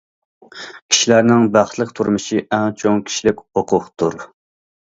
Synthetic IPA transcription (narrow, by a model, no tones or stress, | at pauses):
kʲʰi̥ʃilæɾnɪŋbæχt̪lˠəq̚t̪ʰuɾmɨʃiʔɛŋt͡ʃʰoŋkʲʰi̥ʃilɪkʲhoqʰʊqt̪ʰuɾ